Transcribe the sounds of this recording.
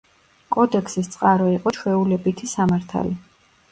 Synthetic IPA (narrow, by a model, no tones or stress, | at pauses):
kʼɔd̪ɛkʰsist̪sʼqʼaɾɔiqʼɔt͡ʃʰwɛulɛbit̪ʰisamaɾt̪ʰa̰li